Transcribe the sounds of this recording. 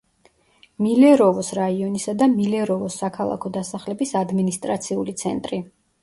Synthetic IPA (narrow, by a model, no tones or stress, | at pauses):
milɛɾɔvɔsɾaiɔnisad̪amilɛɾɔvɔsːakʰalˠa̰kʰɔd̪asaχlɛbisad̪minist̪ʼɾat̪sʰiulit̪sʰɛ̰nt̪ʼɾi